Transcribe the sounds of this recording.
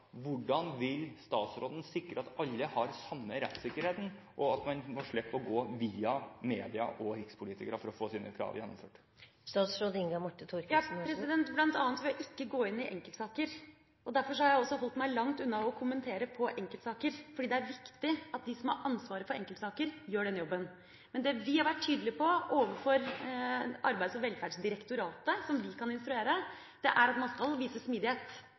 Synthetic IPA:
ʋʊɖɑnʋɪlst̪ɑːt̪sɾoːd̪ən̩sɪkːɾəɑt̪ɑlːəhɑɾsɑmːəɾɛt̪ːsɪkːəɾheːt̪n̩ | ʔɔɑt̪mɑnmɔʂɭɛpːɔɡoːʋiːɑmeːd̪ɪɑ̰ʔɔɾɪkspʰʊliːt̪ɪkɾəfɔɾɔfoːsiːnʔə̰kʰɾɑ̰ːʋjɛnːɔ̰mfø̰ːʈ | st̪ɑːt̪sɾoːd̪əɪŋɡɔmɔʈːət̪ʰuɾjɑppɾɛsɪd̪ɛnt̪blɑnt̪ɑːnət̪ʋɪlɑʔɪkːəɡoːɪnːɪʔɛ̰ŋkəlt̪sɑːkəɾ | ʔɔd̪æɾfɔʂɔhɑɾjæɪɔsːɔɦɔlt̪mæɪlɑŋt̪ʉnːɑɔkʰʊmənt̪ʰeːɾəpʰɔʔɛŋkəlt̪sɑːkəɾfɔɖiːd̪ɛæɾʋɪkt̪ɪʔɑt̪̚d̪ɪsɔmhɑ̰ɾɑnsʋɑːɾəfɔɾɛ̰ŋkəlt̪sɑːkəɾjøːɖɛnəjɔbːən | mɛnd̪ɛʋɪhɑɾʋæʈʰːyːd̪əlɪpʰɔʔoːʋəfɔɾ | ʔɑɾbæɪəsɔʋɛlfæːɖsd̪ɪɾəkt̪ʊɾɑːt̪əsɔmʋɪkʰɑnɪnst̪ɾʉeːɾə | d̪̥ɛʔæɾɑt̪mɑnskɑlʋiːsəsmiːd̪ɪheːt̪

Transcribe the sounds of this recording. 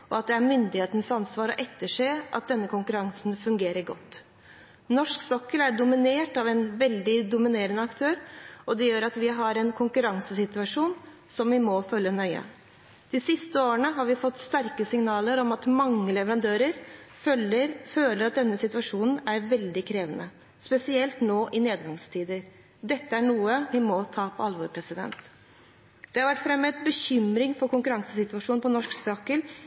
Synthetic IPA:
ɔɑt̪̚d̪ɛæɾmʏnd̪ɪheːt̪ənsɑnsʋɑːɾɔ̰ʔɛt̪ːəʂeːʔɑ̰t̪̚d̪ɛnːəkʰʊŋkʉɾɑŋsnfʉŋɡeːɾəɾɡɔ̰t̪ː | nɔʂksɔkːəlæɖʊmɪneːʈɑʋɛnʋɛld̪ɪd̪ʊmɪneːɾənəɑkt̪ʰøːɾɔd̪ɛjøːɾɑt̪ʋɪɦɑɾɛnkʰʊŋkʉɾɑŋsəsɪt̪ʉɑʂuːn | sɔmʋɪmɔfœlːənœʏə̰ | d̪̥ɪsɪst̪əoːəɳəɦɑɾʋɪfɔt̪ːst̪æɾkəsɪŋnɑːləɾɔmɑt̪mɑŋːəlɛʋəɾɑnd̪øːɾəɾ | əføːləɾɑt̪̚d̪ɛnːəsɪt̪ʉɑʂuːnn̩æɾʋɛld̪ɪkʰɾeːʋənə | spɛsɪɛlt̪noːʔɪneːd̪ɡɑŋst̪ʰiːd̪əɾ | d̪ɛt̪ːəæɳuːəʋɪmɔt̪ʰɑːpʰɔɑlʋɔɾpʰɾɛsɪd̪ɛ̰nt̪ | d̪̥ɛhɑɾʋæʈːfɾɛmːət̪̚bəçʏmɾɪŋfɔɾkʊŋkʉɾɑŋsəsɪt̪ʉʋɑʂuːnpɔnɔʂksɑkəl

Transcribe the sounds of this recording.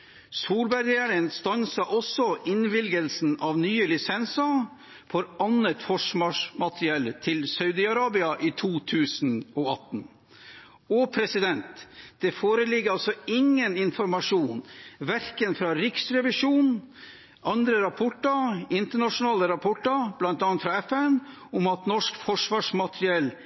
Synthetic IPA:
suːlbæɾɡæːɾənst̪ɑnsɑʔɔsɔʔɪnʋɪlɡəlsn̩ɑːʋnyːəlɪsɛnsɑ | fʰɔɾɑnət̪fɔʂmɑːʂmɑt̪ɾɪɛlːt̪ʰɪlsɑʉd̪ɪɑɾɑːbɪɑʔiːt̪ʰuːt̪ʰʉːsn̩ɔɑt̪n̩ | ɔpʰɾɛsɪd̪ɛnt̪d̪̥ɛfoːɾəlɪɡːəɾɑlsɔɪŋːənɪnfɔɾmɑʂuːnʋæɾkənfɾɑːɾɪksɾɛʋɪʂuːn | ɑnd̪ɾəɾɑpʰɔʈːɑɪnt̪əɳɑʂʊnɑːləɾɑpʰɔʈːɑb̥lɑnt̪ɑnt̪fɾɑɛfɛn | ʊmɑt̪nɔʂkfɔʂʋɑːʂmɑt̪ɾɪɛl

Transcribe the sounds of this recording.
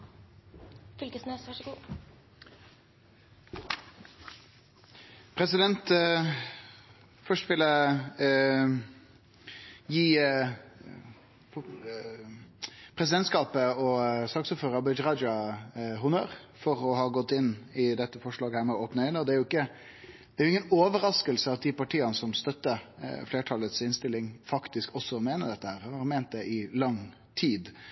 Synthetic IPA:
fʏlkəsnɛsʋɑʂəɡuː | pʰɾɛsɪd̪ɛnt̪ | fœʂʈʋɪlə | jiː | pʰɾɛs̬ɪd̪ɛnt̪skɑːpəɔsɑːksuːpføːɾəbɪd͡ʒɾɑd͡ʒɑɦʊnøːɾfɔɾɔɦɑːɡɔt̪ːɪnːɪd̪ɛt̪ːəfɔʂɭɑːɡəhæːɾmɛɔoːpnəɪnəɔd̪ɛæɾjʊɪkːə | d̪̥ɛæɾjʊɪŋːənoːʋəɾɑskəlsəɑt̪̚d̪ɪpɑʈʰiːənəsɔmst̪œt̪ːəfleːʈʰɑlət̪sɪnst̪ɪlːɪŋfɑkt̪ɪskɔsːɔmeːnəd̪ɛt̪ːəhæːɾɑmeːnt̪̚d̪ɛʔɪlɑŋ | t̪ʰiːd̪

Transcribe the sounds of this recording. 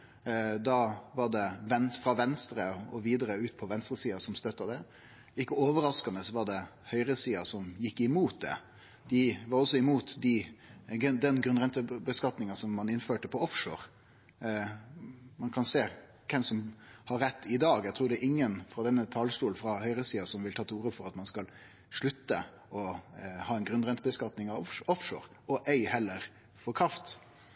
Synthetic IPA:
d̪ɑʋɑɖ̪ɛʋɛnfɾɑʋɛnst̪ɾəɔʋiːd̪əɾəʉːt̪̚pʰɔʋɛnst̪ɾəsiːɑsɔmst̪œt̪ːɑd̪ɛ | ɪkːəoːʋəɾɑskɑnəsʋɑd̪ɛhœʏɾəsiːɑsɔmjɪkːɪmuːt̪̚d̪ɛ̰ | d̪̥ɪʋɑɾɔsːɔɪmuːt̪d̪ɪɡd̪ɛnɡɾʉnʁɛnt̪əbəskɑt̪nɪŋɑsɔmːɑnɪnføːʈəpʰɔɔfʂo̰ːɾ | mɑnkʰɑnseː | kʰɛmsɔmhɑɾːɛt̪ːɪd̪ɑːɡæɪt̪ʰɾuːɖɛʔɪŋːənfɾɑd̪ɛnːət̪ʰɑːlst̪uːlfɾɑhœʏɾəsiːɑsɔmʋɪlt̪ʰɑːt̪ʰuːɾəfɔɾɑt̪mɑnskɑl | ʂɭʉt̪ːə̰ | ɔhɑːɛɪnɡɾʉnɾɛnt̪əbəskɑt̪nɪŋɑfɔfʂo̰ːɾ | ɔʔæɪhɛlːəɾ | fɔɾkʰɾɑft̪

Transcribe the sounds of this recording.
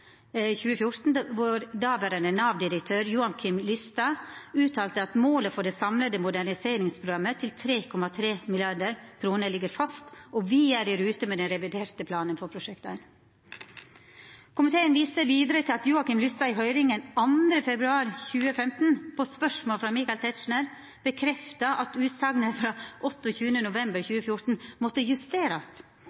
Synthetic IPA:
çʉːəfjʊɾt̪n̩ʋoɾd̪ɑːbəɾənənɑːʋd̪ɪɾəkt̪ʰøːɾjuːɑŋkʰɪmlʏst̪ɑʉːt̪ʰɑːlt̪əɑt̪moːləfɔɖɛːsɑmləd̪əmʊd̪æɳɪseːɾɪŋspʰɾʊɡɑmːət̪ʰɪlt̪ʰɾeːkʰɔmɑt̪ʰɾeːmɪlɪɑɖəɾkʰɾuːnəɭɪɡəɾfɑst̪ɔʋiæɖæɾʉːt̪əmeːd̪ɛnɾɛʋɪd̪eːɾt̪əpʰlɑːnənfɔpʰɾʊʂɛk̚t̪æn | kʰʊmɪt̪ʰeːənʋiːsəʋiːd̪əɾət̪ʰɪlɑt̪juːɑkɪmlʏst̪ɑɪɦœʏɾɪŋənɑnd̪ɾəfɛbɾʉɑːɾçʉːəfɛmt̪n̩pʰoːspœʂmoːlfɾɑmiːkɑɪlt̪ʰɛt̪ʂɳæɾ | b̥əkʰɾɛft̪ɑʔɑt̪ʉːt̪sɑɡnəfɾɑːʔɔt̪ːçʉːənənʊʋɛmbəɾçʉːəfjʊɾt̪n̩mɔt̪ːəjʉst̪eːɾɑs

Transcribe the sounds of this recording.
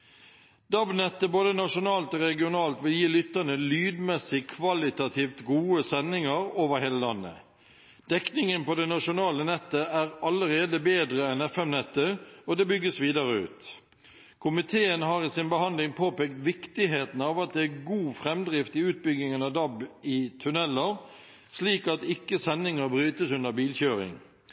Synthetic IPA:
d̪̥ɑbnɛt̪ːəboːd̪ənɑʂʊnɑːlt̪oːʁɛɡɪʊnɑːlt̪ʋɪljiːlʏt̪ːənəlyːd̪mɛsɪkʰʋɑlɪt̪ɑt̪ʰiːft̪ɡuːəsɛnːɪŋɑɾoːʋəɾheːləlɑ̰nːə̰ | d̪̥ɛknɪŋənpɔd̪ɛnɑʂʊnɑːlənɛt̪ːəæːɾɑləɾeːd̪əbeːd̪ɾəɛnɛfɛmnɛt̪ːəɔd̪ɛbʏɡːəsʋiːd̪ɑʁəʉ̰ːt̪ | kʰʊmɪt̪ʰeːənɦɑʁɪsɪnbəɦɑnd̪lɪŋpʰoːpeːkt̪ʋɪkt̪ɪɦeːt̪n̩ɑːʋɑt̪̚d̪ɛæɡuːfʁɛmd̪ʁɪft̪ɪʉːt̪̚bʏɡɪŋənɑd̪ɑbɪt̪ʰʉnɛlːəʁ | sliːkɑt̪ɪkːəsɛnːɪŋəɾbɾyːt̪əsʉnd̪əbiːlçøːɾɪ̰ŋ

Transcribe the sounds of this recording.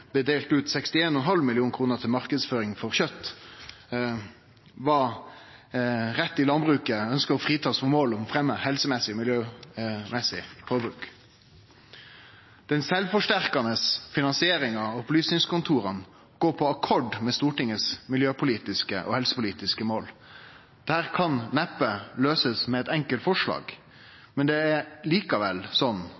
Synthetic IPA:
bəd̪eːlt̪ʉːt̪sɛkst̪ɪeːnɔɔnɦɑlmɪlɪuːnkʰɾuːnət̪ʰɪlmɑʁkəd̪sføːɾɪŋfɔʁçœt̪ː | ʋɑ | ʁɛt̪ːɪlɑnbʁʉːkəœnskəʁɔfʁiːt̪ʰɑːsfɔmoːlɔmfʁɛmːəhɛlsəmɛsɪɔmɪljøːmɛsɪpʰɔːbʉːk | d̪̥ɛnsɛlʋfɔʂʈæɾkɑnəsfɪnɑnsɪeːɾɪŋɑɔɔplyːsnɪŋskʊnt̪ʰuːɾən | ɡ̥oːpʰɔɑkʰɔɖmɛst̪uːʈɪŋːəsmɪljøːpʊliːt̪ɪskə̰ʔɔ̰hɛlsəpʊliːt̪ɪskəmoːl | d̪̥ɛhæːʁkʰɑnnɛpːəløːsəsmɛɛt̪ɛŋkəlt̪fɔʂɭɑ̰ːɡ | mɛnd̪ɛæɾliːkɑʋɛlsɔnː

